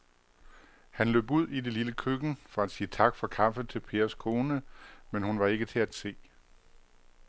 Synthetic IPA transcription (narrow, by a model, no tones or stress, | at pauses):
hænlø̰ːb̥uð̞̰ˠide̝liləkʰøɡ̥n̩fɒ̽æd̥siːət͡sʰɑ̈ɡ̥fɒ̽kʰɑ̈fət͡sʰe̝lpʰe̝ːɐskʰo̝ːnəmenhunʋɑ̈e̝ɡ̥ət͡sʰe̝æd̥se̝̰ː